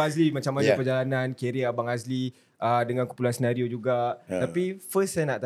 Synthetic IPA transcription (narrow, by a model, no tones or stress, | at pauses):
aslimat͡ʃamajd͡ʒapərd͡ʒalanankeɾiabaŋasli | ʔədəŋankumpulansənaɾiod͡ʒuɡat̪apifəsanaʔt̪